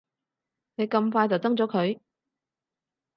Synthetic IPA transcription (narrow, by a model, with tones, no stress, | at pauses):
ne˨˧jkɐ˧mfaː˧jt͡sɐ˨˩wt͡s̪ɐ˥ŋt͡sɔː˨˥kʰɵ˨˧ɥ